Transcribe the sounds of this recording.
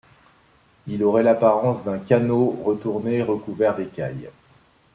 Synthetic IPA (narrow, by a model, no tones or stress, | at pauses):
ilɔʁɛlapaʁɑ̃sd̪ɛ̃kanoʁət̪uʁneːʁəkuvɛʁd̪ekʲa̰j